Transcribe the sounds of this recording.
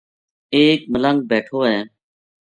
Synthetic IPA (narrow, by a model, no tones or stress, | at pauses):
eːk̚mələ̃ŋɡ̚beːʈʰoːɦɛ̃ː